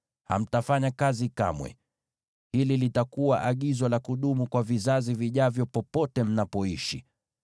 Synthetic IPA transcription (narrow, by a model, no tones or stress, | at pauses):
ha̰m̩tafaɲakazika̰mwɛ̰ | hililitakuwaʔaɠizwɔlakuɗumukwavizaziviʄavjɔpɔpɔtɛm̩napɔiʃi